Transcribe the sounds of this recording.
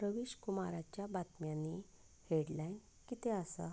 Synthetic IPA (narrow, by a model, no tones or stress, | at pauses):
ɾəʋiɕkumaɾat͡ɕjabat̪mjanːi | heɽlajn | kit̪eəsa̰